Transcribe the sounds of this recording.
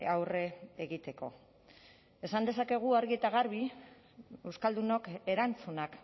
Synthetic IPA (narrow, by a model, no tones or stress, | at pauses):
awre̞eɣit̪e̞ko̞̰ | e̞sand̪e̞sake̞ɣ̞uaɾɣiet̪aɣaɾβi | ewskald̪uno̞ke̞ɾant͡sunak